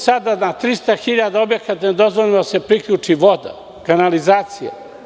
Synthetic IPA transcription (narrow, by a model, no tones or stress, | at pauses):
sad̪anat̪ɾist̪axiʎad̪aobjekat̪ned̪o̞zʋoʎʲimod̪asepɾikʎut͡ʂiʋo̞d̪a̰ | kanalizaːt̪sija̰